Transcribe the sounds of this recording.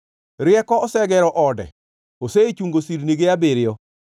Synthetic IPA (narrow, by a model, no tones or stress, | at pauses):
ɾɪɛkɔɔsɛɡɛɾɔʔɔdɛ̰ | oseit͡ʃuŋɡosiɾniɡeabeɾɪɔ